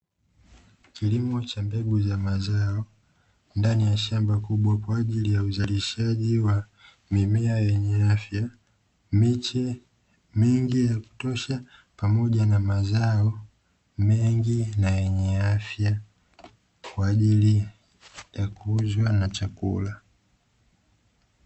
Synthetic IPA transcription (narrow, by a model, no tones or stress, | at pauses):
kilimɔt͡ʃambɛɡuzamazaɔ | ndanijaʃambakuɓwakwaːʄilijauzaliʃaʄiwa | mimɛajɛɲɛafja | mit͡ʃɛ | mɛŋɡijaku̥tɔʃa | pamɔʄanamazaɔ | mɛŋɡinajɛɲɛafja | kwaːʄili | jakuzwanat͡ʃakṵla